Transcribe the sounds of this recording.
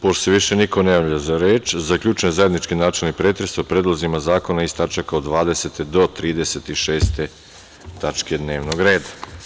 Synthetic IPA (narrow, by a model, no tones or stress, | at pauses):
poseʋiʃe̞niko̞nejaːʎazaɾeːt͡ʃzakʎʲuːt͡ʃnezaed̪nit͡ʃkinaːt͡ʃelnipɾeːt̪ɾesopɾeːd̪lˠozimazaːko̞naist̪at͡ʃakaod̪ʋaːd̪e̞se̞t̪ed̪o̞t̪ɾiːd̪e̞set̪iʃe̞ːst̪e̞ | t̪at͡ʃke̞d̪ne̞ːʋnoɡɾe̞ːd̪ḁ